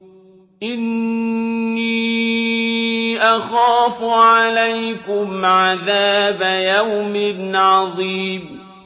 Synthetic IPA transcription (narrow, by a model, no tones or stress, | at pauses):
ʔɪnː | iː | ʔaxaːfʊʕaalajkʊmʕaðaːbajawmɪnʕɑðˤiːb